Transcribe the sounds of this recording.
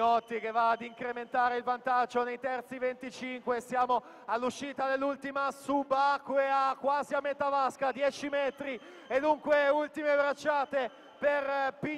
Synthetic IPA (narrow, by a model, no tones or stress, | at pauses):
ɔt̪ːik̟evːaːd̪iŋkɾement̪aːɾeilvant̪ad͡ʒːonejt̪ɛrt̪sivent̪it͡ʃiŋkwesjaːmo | alːuʃːiːt̪ad̪elːult̪imasubakweakwaːziamːet̪avaskad̪jɛːt͡ʃimɛt̪ɾi | ed̪uŋkweult̪imebɾat͡ʃːaːt̪e | perpi